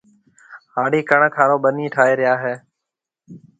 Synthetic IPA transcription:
haːɽiːkəɳkʰaːɾoːɓəniːʈʰaːɦeːɾɪjaːɦeː

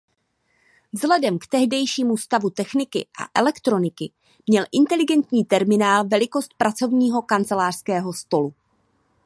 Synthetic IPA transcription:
vzlɛdɛmkt̪ɛɦdɛjʃiːmust̪avut̪ɛxnɪkɪ̰ʔa̰ʔɛlɛkt̪ɾo̞nɪkɪ | mɲɛlʔɪnt̪ɛlɪɡɛnt̪ɲiːt̪ɛɾmɪnaːlvɛlɪko̞st̪̚pɾʔat͡so̞vɲiːɦo̞kant͡sɛlaːr̝̥skɛːɦo̞st̪o̞lu

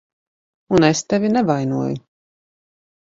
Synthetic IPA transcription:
unest̪ɛvʲinɛvajnuɔjṵ

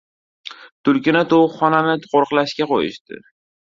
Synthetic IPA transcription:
t̪ʰʊlkʲɪnat̪ʰowχɒnanɪt̪qʰoɾqlaʃkʲaqʰojɪ̰ʃt̪ɪ̰

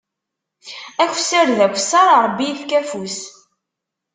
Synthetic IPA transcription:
æçʷsːəɾðækʷːsːɑɾɑɾˤəbːiθkæfus

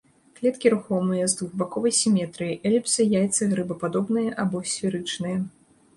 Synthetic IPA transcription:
klʲɛt̪kʲiɾuxɔmɨjɐzd̪vuɣbakɔvɐjsʲimʲɛt̪ɾɨjiʔɛlʲipsɨjajt̪sɨɣɾɨbɐpad̪ɔbnɨjɐʔabɔsʲfʲiɾɨt͡ʂnɨjɐ

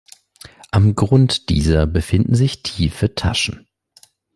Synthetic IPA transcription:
ʔamɡʁʊntd̥iːzɐbəfɪndn̩zɪçtʰiːfətʰaʃn̩

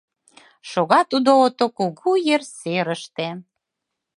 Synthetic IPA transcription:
ʃoɣɑt̪ud̪oot̪okuɣujerseɾəʃt̪e

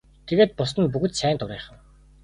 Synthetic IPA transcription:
t̪ʰeɣeːt̪̚pʊs̬ə̆npuɣɘ̆t̪sæːnt̪ʊɾiːχə̆w

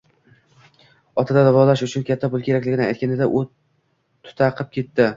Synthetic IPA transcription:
ɒt̪ʰad̪ad̪avɒlaʃʊt͡ʃʰʊnkʲʰat̪ʰːapʊlˠkʲʰe̞ɾakʲlɪɡʲɪnaajt̪̚kʲanɪd̪aʔʊ | t̪ʰʊ̥t̪ʰaqʰɨp̚kʲʰe̞t̪ːɪ

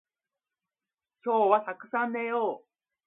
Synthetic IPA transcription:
kʲo̞ːβat̪akɯ̟̥sãnd̪ajoː

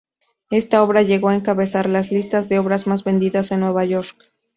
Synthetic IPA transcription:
e̞st̪ao̞βɾaʝe̞ɣo̞ae̞ŋkaβe̞saɾlazlist̪azðe̞o̞βɾazmazβe̞nd̪iðase̞nːwe̞βaʝo̞ɾk

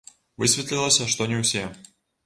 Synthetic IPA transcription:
vɨsʲvʲɪt̪lʲɪlˠəsʲɐʂt̪onʲɪfsʲe

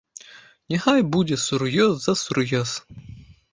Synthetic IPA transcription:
nʲɪxɑjbudʲɛsʊɾjɔzzɐsʊɾjɔz̥

